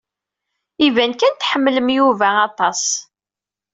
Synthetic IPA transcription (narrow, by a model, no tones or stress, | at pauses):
ivænkænt̪ħəmːləmjuvæːt̪ˤɑs